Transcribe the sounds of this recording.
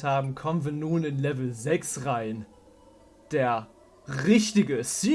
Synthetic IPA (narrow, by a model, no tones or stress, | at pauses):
haːbm̩kʰɔmənviːɐnuːnɪnlɛvl̩zɛksʁaɪn | d̥eːɐ | ʁɪçtɪɡəsiː